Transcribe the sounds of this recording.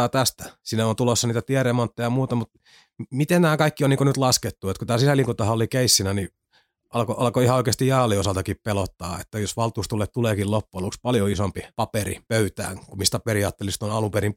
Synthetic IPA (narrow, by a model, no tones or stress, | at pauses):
ɑːt̪æst̪æ̥siːnæont̪ulosːɑniːt̪æt̪iɛremont̪ːejɑmuːt̪ɑmut̪ | mit̪ennæːkɑikːioniŋkonyt̪lɑsket̪ːuet̪kut̪æːsisæliːŋkut̪ːɑhɑolikeisːinæni | ʔɑlkoʔɑlkoihɑoikeːst̪ijɑːliosɑlt̪ɑkippelot̪ːɑːḛt̪ːæjosʋɑlt̪uːst̪ulːet̪t̪uleːkillopːuɑlukspɑljoisompipɑperḭpøyt̪æ̰ːŋkumist̪æperiɑːt̪ːelist̪onɑlumperim